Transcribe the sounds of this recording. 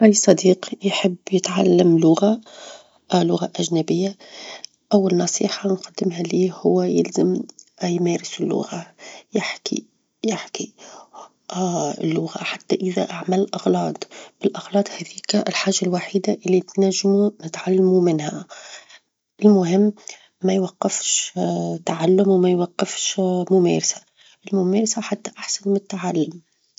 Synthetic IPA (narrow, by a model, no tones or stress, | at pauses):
ʔalisˤɑd̪iːqjħɪbːjɪt̪ʕalːamlʊɣa | ʔlʊɣaʔæʒnæbɪjːa | ʔawːalnɑsˤiːħanqɑd̪ːɪmɦæliːhʊwːajɪ̰lzɪmjmæːɾɪsɪlːʊ̰ɣajɪħkḭ | jɪħki | lːʊɣa̰ħat̪ːaʔɪðæʔaʕmallʔɑɣlɑːd̪ˤb̥ɪlʔɑɣlɑːd̪ˤhæðiːkɪlħaːʒalwaħiːd̪aʔɪlːit̪naʒːmunɪt̪ʕalːamumɪnha | ʔɪlmʊɦɪmː | ajwaqːɪfʃt̪aʕalːʊmwmajwaqːɪfʃmʊmḛːɾsḁ | ʔɪlmʊmeːɾsaħat̪ːaʔaħsanmɪt̪ːaʕalːʊm